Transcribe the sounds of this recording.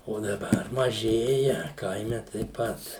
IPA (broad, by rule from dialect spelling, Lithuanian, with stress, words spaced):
oː dɐˈbɐr mɐˈʒʲeːjɛ ˈkɐɪmʲɛ tɐɪp ˈpɐt